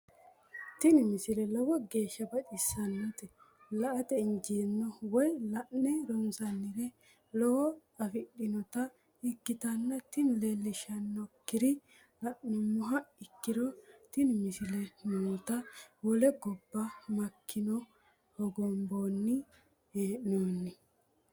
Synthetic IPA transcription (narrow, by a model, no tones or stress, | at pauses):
t̪ɪnmɪsɪlɛlɔwɔɡe̞ːʃːɐbɐᶑɪsːɐnːɐt̪ɛ | lɐʔɐt̪ɛɪnd͡ʒiːnːɔwɔjlɐʔnɛɾɔnsɐnːɪɾɛ | lɔwɔ | ɐfɪɗːɪnɔt̪ɐ | ɪɡːɪt̪ɐnːɐt̪ɪnlelːɪʃɐnːɔkːɪɾɪ | lɐʔnɛmʊɦɐɪkːɪɾɔt̪ɪnmɪsɪlɛnunt̪ɐwɔlɛɡɔbːɐmɐkʰːɪnɔ | hɔɡɔmboːnːɪ | heːʔnoːnːɪ